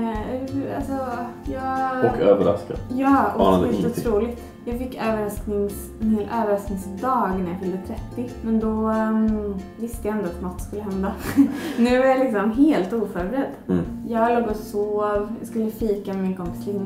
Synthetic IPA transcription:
a̰lsɔjɑːɔkøːvəɾa̰skad̪jɑːɔʊt̪ʰɾuːlɪɡt̪ | jɑːɡfɪkːøːvəɾasknɪŋs | ʔøːvəɾasknɪŋsd̪ɑːɡnæɾjafɪld̪ət̪ʰɾɛt̪ːɪmɛnd̪ɔ | vɪst̪əjaɪnt̪əat̪mɔt̪ːskɵlːəɦɛnd̪anʉ̟ːvaɾjalɪksɔmɦeːlt̪uːfœɾbɛɾɛd̪ːjɑːɡloːɡɔsoːvjɑ̰skɵlːəfiːkamɛmɪnkʰɔmfʰlɪnː

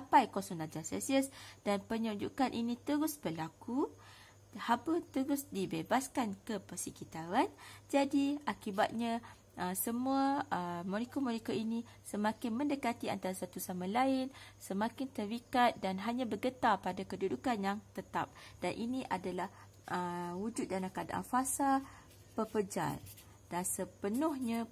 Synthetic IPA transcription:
apajkɔsɔŋlad͡ʒasɛ̰siəsd̥anpəɲud͡ʒṵkanʔinĩt̪əɾʊsbəlaku | habət̪əɾʊsdibebaskankəpəsəkit̪aɾand͡ʒadiakiba̰t̪̚ɲã | ʔəsəmuaəmɔɾikomɔɾikoinĩ | səmãkɪnmə̃ndəkat̪ia̰nt̪aɾasat̪usamãlaɪnsəmãkɪnt̪ərikat̪̚danɦaɲãbərɡət̪apadakədudukanjaŋt̪ət̪a̰p̚d̥anʔiniʔadalah | ʔəwud͡ʒʊt̪̚danakada̰ʔa̰fasa | pəpəd͡ʒa̰l | d̥ansəpənʊhɲã

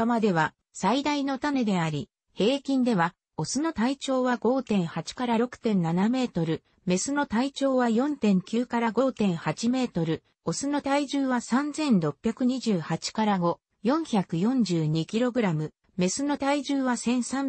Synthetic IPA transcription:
amad̪e̞βa | said̪aino̞t̪ame̞d̪e̞aɾʲi | he̞ːkʲĩnd̪e̞βa | o̞sɨno̞t̪ait͡ɕo̞ːβaɡo̞ːt̪ẽ̞ɰ̃hat͡ɕi̥kaɾaɾo̞kɯ̟̥t̪ẽ̞nnaname̞ːt̪o̞ɾɯ̟ | me̞sɨno̞t̪ait͡ɕo̞ːβajõ̞nt̪ẽ̞ŋkʲɨːkaɾaɡo̞ːt̪ẽ̞ɰ̃hat͡ɕime̞ːt̪o̞ɾɯ̟ | o̞sɨno̞t̪aiʑɨːβasãnzẽ̞nɾo̞pʲːjakɯ̟ɲ̟iʑɨːhat͡ɕi̥kaɾaɡo̞ | jõ̞ɰ̃çakɯ̟jõ̞ɲ̟d͡ʑɨːɲ̟ikʲiɾo̞ɡɯ̟ɾamɯ̟ | me̞sɨno̞t̪aiʑɨːβasẽ̞ɰ̃sãm

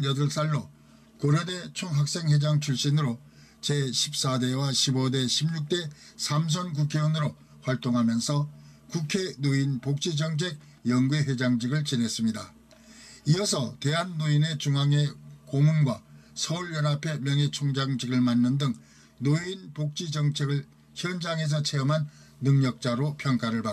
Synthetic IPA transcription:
jʌdʌɭs͈aɭːo | koɾade̞t͡ɕʰoŋɦak̚s͈e̞ŋwed͡ʑaŋt͡ɕʰuɭɕ͈inɯɾo | t͡ɕeɕʰip̚s͈adewaɕʰibode̞ɕʰimɲuk̚t͈e̞sʰams̬ʰʌnk̬ukʰe̞wʌnɯɾo | ɸwaɭt͈oŋɦamjʌnsʰʌkukʰenoinpok̚t͡ɕ͈ʰid͡ʑʌŋt͡ɕʰek̚ | jʌŋɡweɸed͡ʑaŋd͡ʑiɡɯɭt͡ɕine̞s͈ɯmɲida | iʌsʰʌte̞ɦanːoine̞t͡ɕuŋɦaŋe̞komunɡwasʰʌuɭjʌnapʰe̞mjʌŋet͡ɕʰuŋd͡ʑaŋd͡ʑiɡɯɭmanːɯndɯŋ | noinpok̚t͡ɕ͈id͡ʑʌŋt͡ɕʰeɡɯɭ | çjʌnd͡ʑaŋe̞s̬ʰʌt͡ɕʰe̞ʌmɦanː | ɯŋɲʌk̚t͡ɕ͈aɾopʰjʌŋk͈aɾɯɭpa

